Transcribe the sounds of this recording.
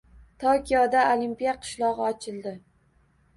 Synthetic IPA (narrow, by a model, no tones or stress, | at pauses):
t̪ʰokʲʰijɒd̪aolimpijaqʰɨ̥ʃlˠɒʁɨɒt͡ʃʰɪlˠd̪ɪ